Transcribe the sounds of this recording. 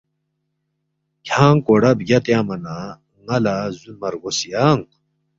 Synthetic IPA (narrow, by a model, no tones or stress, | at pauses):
kʰaːŋkoɽɐbɡɐt̪jaːmɐna | ŋɐlazunmɐɾɡosijaːŋ